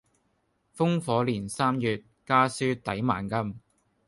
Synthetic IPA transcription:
fʊ˥ŋfɔː˨˧˥liː˨˩nsaː˥mjyː˨t̚kaː˥syː˥t̪ɐ˨˥jma̰ː˨˩nkɐ˥m

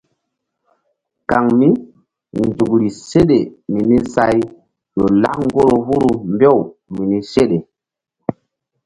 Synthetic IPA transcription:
ka˨ŋmi˦ | nzu˨kɾi˨se˦ɗe˨mi˨ni˦sa˦j | jo˨la̰˦kŋ˦ɡo˦ɾo˨vu˦ɾu˨mbe˦˨wmi˨ni˦se˦ɗe˨

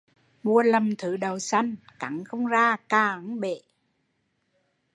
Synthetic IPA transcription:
mu˧˩ələ˨˩mt̪ʰɨ˨˩˦ɗə˨˩wsa˧jŋka˨˩˦ŋxə˧wŋ͡mzaː˧kaː˨˩ŋɓḛ˧˨

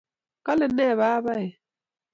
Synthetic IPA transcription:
ka˦lɪ˨nɛ˦˨βa˦βa˦ɪ˨

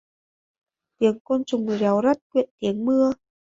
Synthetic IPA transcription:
t̪i˨˦əŋko˧nt͡ɕʊ˨˩ŋ͡ma˨˦wza˦˥t̚kwḭ˧˨ənt̪i˨˦əŋmɨ˧ə

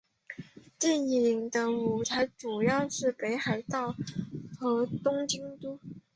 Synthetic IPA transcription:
t͡ɕ̪i˥˩ni˨˩ŋd̪ə˧u˨˩t͡sʰa˧˥ɪʈ͡ʂu˨˩jɑ˥˧ʊʂɻ̩˥˩pe˧˥ɪxa˨˩ɪt̪ɑ˥˩ʊxɤ˧˥t̪ʊ˥ŋt͡ɕi˥ŋt̪u˥

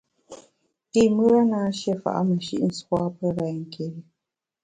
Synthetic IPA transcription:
i˦˨mə˦ɾa˦naː˨˦ʃɛ˦˨fa̰˨ʔa̰˦mə˨ʃḭ˦ʔn̩˨swa˦pə˦ɾa˨ŋ̩˨kʰe˨ɾi˦

